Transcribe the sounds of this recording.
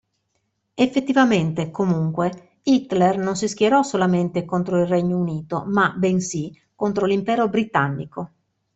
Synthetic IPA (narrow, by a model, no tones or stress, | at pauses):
efːet̪ːivament̪ekomuŋkwe | it̪lɛrnonsisk̟jeɾɔsolament̪ekont̪ɾoilrɛɲːouniːt̪o̰mabensi | kont̪ɾolimpɛːɾobɾit̪anːḭko